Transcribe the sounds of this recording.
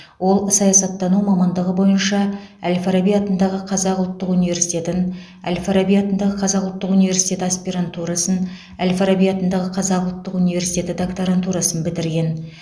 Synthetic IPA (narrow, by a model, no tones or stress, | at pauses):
wo̞lˠsɑjɑsɑt̪ːɑnumɑmɑnd̪əʁəbo̞jənʃɑælʲfaɾabijɑt̪ənd̪ɑʁəqʰɑzɑqʊlˠt̪ːəqunive̞ɾsit̪ʲe̞t̪ɪn | æ̰lʲfaɾabijat̪ənd̪ɑʁəqʰɑzɑqlˠt̪ːəqunijvʲe̞rsi̥jt̪ʲe̞t̪ɪaspiɾant̪uɾɑsən | ælʲfaɾabijat̪ənd̪ɑʁəqʰɑzɑqʊlˠt̪ːəqunijve̞ɾsit̪e̞t̪ɪd̪okt̪oɾant̪uɾɑsənbɪd̪ɪɾɡʲe̞n